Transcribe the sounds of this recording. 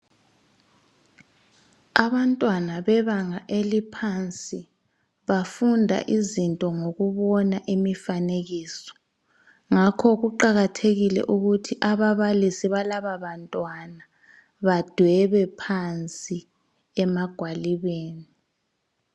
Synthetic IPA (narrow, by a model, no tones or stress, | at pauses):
aβantʼwanaβɛβaŋaʔelipʰant͡sʼi | βafundʱa̰ʔizintʼɔŋoɣuβɔnaʔimifaneɣiːsɔ̥ | ŋakʰɔɣuǃaɣatʰeɣilɛ̰ʔuɣutʰiʔaβaβalisiβalaβaβantʼwana | βad̥ʱwɛβɛpʰant͡sʼi | ɛmaɡ̥ʱwaliβeːni